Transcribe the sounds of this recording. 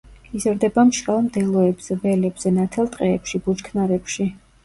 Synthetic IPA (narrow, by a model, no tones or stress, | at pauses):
izɾd̪ɛbamʃɾalˠmd̪ɛlˠɔɛbz̥ɛbɛlɛbz̥ɛnat̪ʰɛlˠt̪ʼqʼɛːpʃibut͡ʃkʰnaɾɛpʃi